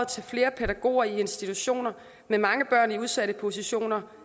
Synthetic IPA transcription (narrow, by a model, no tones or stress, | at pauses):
t͡sʰe̝lfle̝ːɐpʰeɾæɡ̥o̝̰ːɐie̝nsd̥it͡sʰuɕo̝̰ːnɐ | memɑ̈ŋəb̥ɶɐ̰niuð̞ˠsæɾ̥əpʰo̝siɕo̝̰ːnɐ